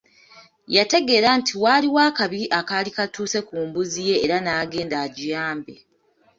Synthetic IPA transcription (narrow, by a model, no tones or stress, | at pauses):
jate̞ɡe̞ːɾantʰiwaːliwaːkaβiʔakalikatuːse̞kuːmbuzije̞ːɾanaːɡe̞ːndaɟijaːmbe